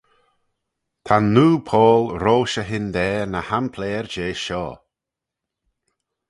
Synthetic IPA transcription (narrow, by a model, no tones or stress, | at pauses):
t̪ʰanːuːpʰɔːlɾoːʃəɦɪnd̪ɛːnəhanpʰlɛːɹd͡ʒeːʃɔ̰ː